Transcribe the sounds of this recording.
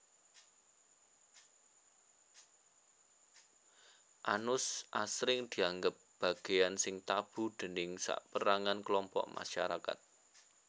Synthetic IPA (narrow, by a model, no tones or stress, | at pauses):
ʔanʊsʔasɾɪŋd̪̥i̤aŋɡəp̚b̥ä̤ɡ̥e̤jansɪŋt̪ab̥ṳɖ̪̥ə̤nɪŋsa̰ʔpəɾaŋanklɔmpɔ̰ʔma̰ʃaɾaka̰t̪̚